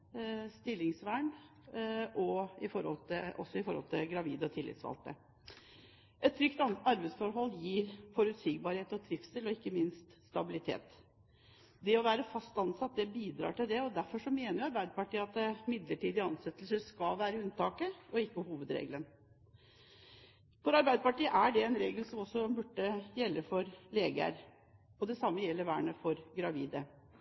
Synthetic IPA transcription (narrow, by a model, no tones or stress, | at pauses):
st̪ɪlːɪŋsʋæːɳ | ʔɔɪfɔɾhɔ̰lt̪ʰɪɔ̰sːɔɪfɔɾhɔ̰lt̪ʰɪlɡɾɑʋḭːd̪əɔt̪ʰɪlːɪ̰t̪sʋɑ̰lt̪ə̰ | ʔɛt̪ʰːɾʏkt̪ɑɾbɛsfɔɾɦɔlːjiːɾfɔɾʉt̪siːɡ̚bɑɾheːt̪ɔt̪ʰɾɪfsd̪ɪlɔɪkːəmɪnst̪st̪ɑbɪlɪt̪ʰḛːt̪ | d̪ɛɔʋæːɾəfɑst̪ɑnsɑt̪̚ːd̪ɛbiːd̪ɾɑ̰ːʈɪld̪ɛɔd̪æɾfɔʂɔmeːnəɾjʊɑɾbæɪd̪əpɑʈiːəɑt̪ɪmɪd̪ləʈiːd̪ɪɑnsɛt̪ːlsəʂkɑʋæːɾəʉnt̪ɑːkəɔɪkːəhuːʋəd̪ɾḛːɡlən | fɔɾɑɾbæɪd̪əpɑʈiːəʔæɖɛɛnɾeːɡəlsɔmɔsːɔbʉʈːəjɛlːəfɔɾleːɡə̰ɾ | ɔd̪ɛsɑmːəjɛlːəɾʋæːɳəfɔɾɡɾɑʋiːd̪ə